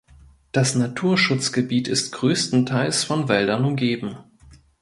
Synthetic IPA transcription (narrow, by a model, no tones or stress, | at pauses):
d̥asnatʰuːɐʃʊt͡sɡ̥əbiːtɪstɡ̥ʁøːstn̩tʰaɪlsfɔnvɛldɐnʊmɡeːbm̩